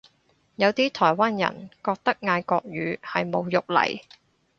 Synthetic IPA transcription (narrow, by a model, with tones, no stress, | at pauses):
jɐ˨˧wt̪iː˥t̪ʰɔː˨˩jwaː˥njɐ̰˨˩nkɔː˧k̚t̪ɐ˥k̚ŋaː˧jkɔː˧k̚ɥyː˨˧˥hɐ˨jmo˨˧wjʊ˨k̚lɐ̰˨˩j